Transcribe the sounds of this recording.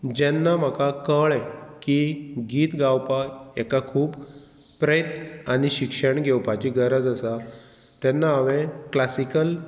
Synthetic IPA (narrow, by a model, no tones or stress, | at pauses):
d͡ʑɛnːam̤akakəɭɛkiɡiːt̪ɡawpaɛkakʰuːb | pɾəjt̪aɽ̃iɕikʂəɳɡʱewpat͡ɕiɡəɾəd͡zəsa | t̪ɛnːaəʋẽklasikəl